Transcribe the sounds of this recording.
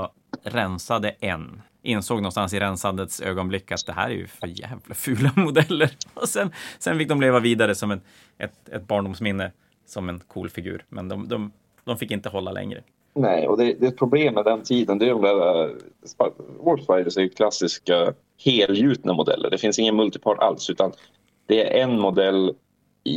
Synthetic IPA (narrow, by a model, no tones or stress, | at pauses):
ɾɛnsad̪əʔɛn | ʔɪnsoːɡnɔnst̪ans̬ɪɾɛnsand̪ət̪sø̰ːɡɔnblɪkːat̪̚d̪ɛɦæ̰ːɾæ̰ɾjɵ̰fœɾjɛːvlafʉːlamʊd̪ɛlːəɾɔsɛnsɛnfɪk̚d̪ɔmleːvaviːd̪aɾəsɔmɛn | ʔɛt̪ɛ̰t̪̚bɑːɳɖʊmsmɪnːə | sɔmɛnkʰṵːlfɪɡʉ̰ːɾmɛnd̪ɔmd̪ɔm | d̪ɔmfɪkːɪnt̪əɦɔlːalʔɛ̰ŋɾə̰ | nɛɪɔ̰d̪ɛd̪ɛɛt̪̚pʰɾʊbleːmːɛd̪ɛnt̪ʰiːd̪ənd̪ɛjɔmd̪ɾspawɔɖspajd̪əsæɾjɵkʰlasɪska | heːljʉ̟ːt̪namʊd̪ɛ̰lːə̰ɖɛfɪnsɪŋːənmɵlt̪ɪpʰɑːʈa̰lsʉ̟ːt̪an | d̪̥ɛæɾʔɛnmʊd̪ɛlː